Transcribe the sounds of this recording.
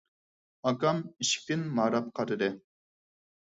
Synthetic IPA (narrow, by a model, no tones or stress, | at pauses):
ɑkɑmiʃkʲɪnmɑɾɑp̚qʰɑɾɨd̪ɨ